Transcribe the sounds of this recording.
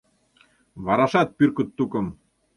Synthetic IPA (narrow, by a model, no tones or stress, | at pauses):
βɑɾɑʃɑt̪̚pyrkŭt̪ːukɤ̆m